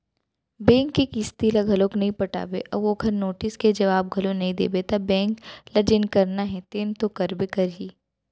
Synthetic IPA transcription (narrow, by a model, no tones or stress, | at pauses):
bɛ̃ːŋkːekist̪iːlaɡʱɐloːknɐɦĩpɐʈa̰ːbḛʔɐbokʰɐɾnoːʈɪsked͡ʒɐʋaːb̚ɡʱɐlõnɐɦĩd̪ḛːbet̪ɐbɛ̃ːŋklɐd͡ʒənkɐɾnaɦɛ̃t̪eːnt̪okɐɾbekɐɾɦiː